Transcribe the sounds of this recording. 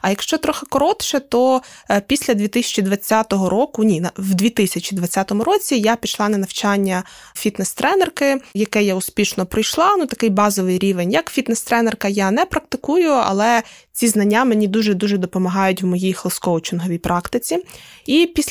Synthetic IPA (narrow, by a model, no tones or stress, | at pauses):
ɐjɐkʃt͡ʃɔt̪ɾɔxɪkɔɾɔt̪ʃɛt̪ɔpʲisʲlʲɐd̪ʲʋʲit̪ɪsʲɐ̥t͡ʃid̪ʋɐt͡sʲːat̪ɔɦɔɾɔkʊnʲinɐwd̪ʲʋʲit̪ɪsʲɐt͡ʃid̪ʋɐt͡sʲat̪ɔmʊɾɔt͡sʲijapʲiʃlˠɑnɐnɐwt͡ʃɑnʲːɐfʲit̪nɛst̪ɾʔɛnɛrkɪjɐkɛjaʊspʲiʃnɔpɾɔjʃlˠɑnut̪ɐkɪjbɑzɔʋɪjɾʲiʋenʲjɐkfʲit̪nɛst̪ɾɛnɛrkɐjanɛpɾɐk̚t̪ɪkujʊɐ̰lˠɛt͡sʲiznɐnʲːamenʲid̪uʒɛd̪uʒɛd̪ɔpɔmɐɦɑjʊtʲwmɔjijxlˠɪskɔʋɔt͡ʃɪnɦɔʋʲijpɾʔɑkt̪ɪt͡sʲiipʲisʲ